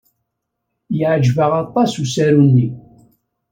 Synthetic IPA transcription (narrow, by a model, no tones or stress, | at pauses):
jəʕd͡ʒvəʁɑt̪ˤːɑsusæɾunːi